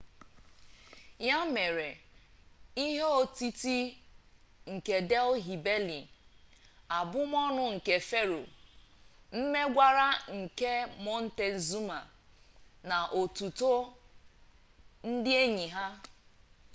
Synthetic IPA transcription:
ja˦me˨ɾe˨ | i˦ɦe˦o˨ti˦ti˦ | ŋ̩˨ke˨de˦lɦi˨be˦li˨ | a˨bʊ˦m˦ɔ˦nʊ˦ŋ̩˨ke˨fe˦ɾo̰˨ | m̩˦me˦ɡʷa˦ɾa˦ŋ̩˨ke˦mɔ˦n̩˦te˨n̩˨zu˦ma˨ | na˨ʔo˨tu˨to˦ | n̩˦dɪ˦e˦ɲi˨ɦa˦

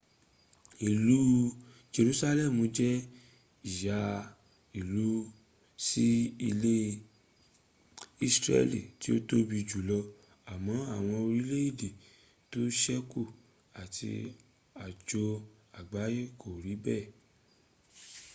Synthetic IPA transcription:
i˨lu˨˦ | d͡ʒe˧ɾu˧˦sa˧lɛ˦˨mũ˨˦d͡ʒɛ˦ | i˦˨ja˧ | i˨lu˨˦ | si˦i˧le˦ | i˦sɾɛ̰˦lḭ˨ti˨˦o˦to˦bi˧˨d͡ʒu˨lɔ˧ | a˨mɔ̃˨˦a˦˨w̃ɔ̃˧o˧ɾi˦le˦i˦˨de˨ | to˦ʃɛ˦ku˦˨ | a˨tʰḭ˧ | a˨d͡ʒo˧ | a˨ɡ͡ba˨˦je˦ko˨ɾi˨˦bɛ˦˨

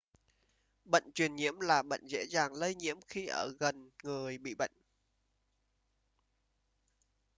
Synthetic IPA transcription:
ɓə̰˧˨jŋt͡ɕwi˨˩ənɲḭ˧˥əmlaː˨˩ɓə̰˧˨jŋ̟zḛ˧˥zaː˨˩ŋlə˧jɲḭ˧˥əmxi˧ʔəː˧˩ɣə˨˩nŋɨ˨˩əjɓḭ˧˨ɓə̰˧˨jŋ

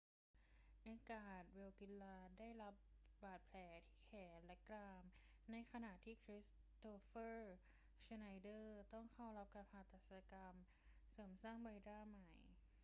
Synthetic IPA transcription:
ʔaː˧kaː˨˩t̪̚we˧wki˧˥lːaː˧daː˥˩jla˦˥p̚baː˨˩t̪̚pʰlɛː˨˩˦t̪ʰiː˥˩kʰɛː˩˦nlɛ˦˥kɾaː˧m | na˧jkʰa˧na˨˩ʔt̪ʰiː˥˩kʰɾi˦˥s | t̪oː˧fɤː˥˩ | sa˧na˧jdɤː˥˩t̪ɔ˥˩ŋkʰa˥˩wla˦˥p̚kaː˧npʰaː˧˩t̪aː˨˩sa˧ka˧m | sɤː˩˦msaː˥˩ŋba˧jdaː˥˩ma˨˩j

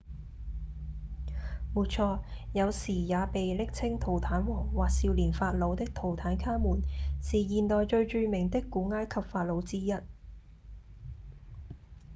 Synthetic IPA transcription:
muː˨˩t̚t͡ʃʰɔː˧jɐ˨˧wsiː˨˩jaː˨˧pe˨jlɪ˥k̚t͡sʰɪ˥ŋt̪ʰo˨˩wt̪ʰaː˨˥nwɔː˨˩ŋwaː˨k̚siː˧wliː˨˩nfaː˧t̚lo˨˧wt̪ɪ˥k̚t̪ʰo˨˩wt̪ʰaː˨˥nkʰaː˥muː˨˩nsiː˨jiː˨˩nt̪ɔː˨jt͡ʃɵ˧ɥt͡ʃyː˧mɪ˨˩ŋt̪ɪ˥kːuː˨˥ŋaː˥jkʰɐ˨p̚faː˧t̚lo˨˧wt͡siː˥jɐ˥t̚

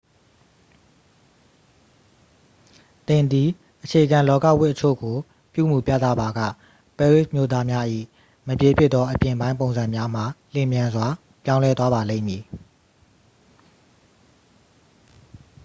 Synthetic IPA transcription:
t̪ɪ̃˨nd̪i˨ | ʔət͡ɕʰe˨əɡã˨lɔ˦ka̰˦˨wɪ˦ʔət͡ɕʰo̰˦˨ɡo˨ | pjṵ˦˨mu˨pja̰˦t̪ä̰˦˨ba˨ɡä̰˦˨ | pɛ˦˨ɹɪ˦˨smjo˦˨t̪a˦mja˦ʔḭ˦˨ | məpje˨pʰjɪ˦ʔ̪t̪ːɔ˦ʔəpjɪ̃˨bã˦ɪ̃p̬õ˨ʊ̃nzã˨mja˦m̥a˨l̥ɪ̃˨mjã˨nzwa˨ | pjã˦ʊ̃lɛ˦t̪wa˦ba˨lḛ̃˦˨mji˨

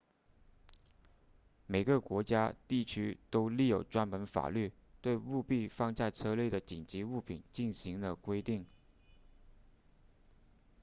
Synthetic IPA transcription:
me˨˩ɪɡə˦kwɔ˧˥t͡ɕja˥t̪i˥˩t͡ɕʰy˥t̪o˥ʊli˥˩jo˨˩ʊt͡swa˥npə˧˥nfa̰˨˩ly˥˩ | t̪we˥˧ɪu˥˧pi˥˧fɑ˥˧ŋt͡sa˥˧ɪt͡sʰɤ˥˧lje˥˩ɪd̪ə˩t͡ɕi˨˩nt͡ɕi˧˥u˥˩pʰḭ˨˩˦nt͡ɕi˥˩nɕi˧˥ŋd̪ə˧kwe˥ɪt̪i˥˩ŋ

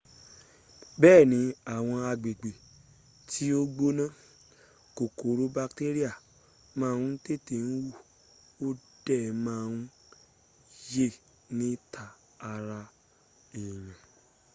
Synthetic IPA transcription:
bɛː˦˨nĩ˨˦a˦˨w̃ɔ̃˧a˧ɡ͡be˨ɡ͡be˨ | tʰi˦o˦ɡ͡bo˦nã˦˨ | ko˨ko˨ɾo˦ba˧kte˦ɾi˦a˦˨ | mãː˦˧n̩˦te˦te˨n̩˦wu˦˨ | o˦d̥ɛ˦˨˧mãː˦˨˧n˦ | je˦˨ | nĩ˦tʰa˧ | a˧ɾa˧ | i˨j̃ɛ̃˨

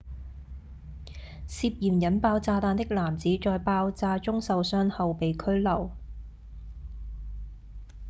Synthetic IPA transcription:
siː˧p̚jiː˨˩mjɐ˨˥npaː˧wt͡saː˧t̪aː˧nt̪ɪ˥k̚laː˨˩mt͡siː˨˥t͡ʃɔː˧jpaː˧wt͡saː˧t͡ʃʊ˥ŋsɐ˨˧wsœː˥ŋhɐ˨˧wpe˨jkʰɵ˥ɥlɐ˨˩w

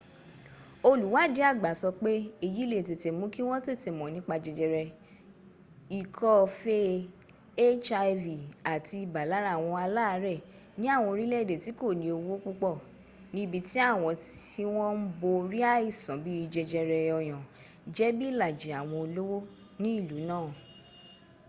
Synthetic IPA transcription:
o˧lu˨˦wa˨˦d͡ʒe˨˦a˦˨ɡ͡ba˨˦sɔ˧k͡pe˦e˦˧˨ji˨˦le˦˨t̬e˨te˨mũ˨˦ki˦w̃ɔ̃˦te˦˨te˨mɔ̃˨nĩ˨˦k͡pa˧d͡ʒɛ˧d͡ʒɛ˧ɾɛ˧ | i˨kʰɔ˦fe˦ | e˦t͡ʃa˧vi˨a˨ti˧i˧˨ba˨la˨˦ɾa˦˨w̃ɔ̃˧a˧la˦˧˦ɾɛ˦˨ | nĩ˦a˦˨w̃ɔ̃˧o˧ɾi˦lɛ˦˨de˨ti˨˦ko˦˨nĩ˨o˧wo˦k͡pu˦k͡pɔ˦˨ | nĩ˦bi˧ti˦a˦˨w̃ɔ̃˧ti˦w̃ɔ̃˦m̩˦bo˧ɾi˦a˦i˦˨sɔ̃˨bi˦˧d͡ʒɛ˧d͡ʒɛ˧ɾɛ˧ɔ˧j̃ã˨ | d͡ʒɛ˦bi˦˨la˨d͡ʒe˨˦a˨w̃ɔ̃˧o˧lo˦wo˦ | nĩ˦i˦˨lu˨˦nãː˦˨

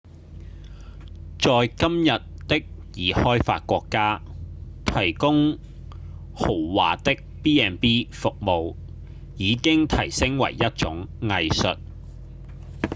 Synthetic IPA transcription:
t͡sɔː˨jkɐ˥mjɐ˨t̚t̪ɪ˥k̚jiː˨˩hɔː˥jfa̰ː˧t̚kʷɔː˧kːaː˥t̪ʰɐ˨˩jkʊ˥ŋ | ho˨˩wwa̰ː˨t̪ɪ˥k̚piː˥ɛː˧npiː˥fʊ˨k̚mo˨w | jiː˨˧kɪ˥ŋt̪ʰɐ˨˩jsɪ˥ŋwɐ̰˨˩jːɐ˥t̚t͡sʊ˨˥ŋŋɐ˨˧jsɵ˨t̚

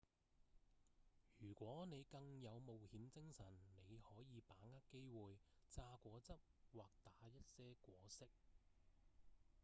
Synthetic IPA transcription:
jyː˨˩kʷɔː˨˥ne˨˧jkɐ˧ŋjɐ˨˧wmo˨whiː˨˥mt͡sɪ˥ŋsɐ˨˩nne˨˧jhɔː˨˥jiː˨˧paː˨˥ŋaː˥tke˥jwuː˨jt͡saː˧kʷɔː˨˥t͡sɐ˥p̚waː˨˩k̚t̪aː˨˥jɐ˥t̚sɛː˥kʷɔː˨˥sɪ˥k̚

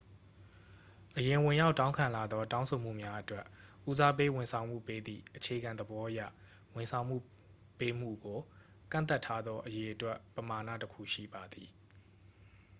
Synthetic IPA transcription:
ʔəjɪ̃˨wɪ̃˨ja˦ʊtːã˦ʊ̃ŋkʰã˨la˨d̪ðɔ˦tã˦ʊ̃sʰo˨m̥ṵ˦˨mja˦ʔətwɛ˦ʔʔu˦za˦pe˦wɪ̃˨nsʰã˨ʊ̃m̥ṵ˦˨pe˦d̪ḭ˦˨ʔət͡ɕʰe˨ɡã˨nd̪əbɔ˦ʔəjä̰˦˨ | wɪ̃˨nsʰã˨ʊ̃m̥ṵ˦˨ | pe˦m̥ṵ˦˨ɡo˨ | kã̰˦˨nt̪a˦˨tʰːa˦d̪ðɔ˦ʔəje˨ʔətwɛ˦ʔpəma˨nä̰˦˨təkʰṵ˦˨ʃḭ˦˨ba˨d̪i˨

